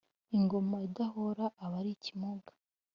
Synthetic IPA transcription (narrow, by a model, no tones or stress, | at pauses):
iŋɡo̞maidaɦoɾaːβaɾicimuɡḁ